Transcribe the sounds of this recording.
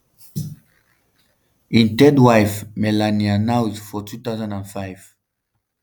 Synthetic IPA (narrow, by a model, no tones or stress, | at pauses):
ĩntɛdwajfmɛlanianawzfɔtʰut̪aʊzãndãnfaɪv̥